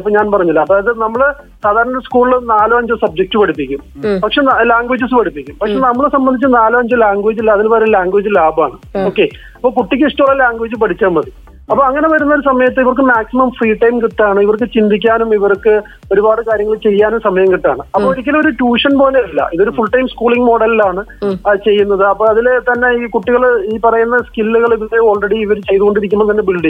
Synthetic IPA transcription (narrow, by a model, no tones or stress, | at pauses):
p̬ːoːɲaːnpɐrɐɲːilːɐɐðaːjɐðɨnɐmːɐɭ | saːd̪ʱaːɾɐɳɐeskuːɭiɭnaːlɨɐɲd͡ʑɨsɐb̚d͡ʑek̚ʈːɨpɐɽipːikʲːumpɐkʂe̞laːŋɡʋeːd͡ʑisɨpɐɽupːikʲːumpɐkʂe̞nɐmːɐɭsɐmbɐnd̪it͡ɕːɨnaːluɐɲd͡ʑɨlaːŋɡweːd͡ʑilːɐɐðinpɐɾelaːŋɡweːd͡ʑɨlaːba̰ːɳɨo̞ːkːe̞ | ɐpːoːk̬uʈːik̬ʲːisʈɐuɭːɐlaːŋɡweːd͡ʑːɨpɐʈʰit͡ɕːaːmɐði | ɐpːoːɐŋːɐne̞ʋɐɾunːɐo̞ɾus̬ɐmɐjɐt̪ːɨiʋɐrk̬ɨmaːksimɐmfriːʈːɐjmkit̪ːaːɳɨiʋɐrkːɨt͡ɕind̪ʱik̬ʲːaːnumiʋɐrkːɨ | o̞ɾubaːɽɨkaːɾjɐŋːɐɭet͡ɕe̞jːaːnumsɐmɐjɐŋkiʈːa̰ːɳɨɐpːoːiɾikʲːɐloɾuʈuːʂɐnpoːleilːɐ̰ʔiðo̞ɾufuɭʈɐjmskuːɭiŋɡmo̞ːɽɐllaːɳɨt͡ɕe̞jːun̪ːɐðɨɐpːoːɐðilet̪ɐnːe̞iːkuʈːiɣɐɭiːpɐrɐjunːɐskilːuɣɐɭiʋleo̞ːɭreɽiːʋɐɾt͡ɕe̞jðuɣo̞ɳɖiɾikʲːumːɐt̪ɐnːe̞biɭɖi